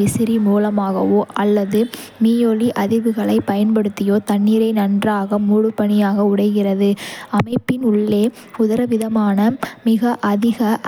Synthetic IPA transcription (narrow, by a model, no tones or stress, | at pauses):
ɪsɪɾimuːlɐmaːɣɐʋoːʔɐlːɐðɯmiːjoːliʔɐðɪʋɯɣɐɭɐɪpɐjɐnpɐɽɯt̪ːɪjoːt̪ɐɳːiːɾɐɪnɐndraːɣɐmuːɻɯpːɐɳɪjaːɣɐʊɽɐɪɣɪrɐðɯɐmɐɪpːɪnʊɭːeː | ʊðɐɾɐʋɪðɐmaːnɐmɪɣɐʔɐðɪɣɐ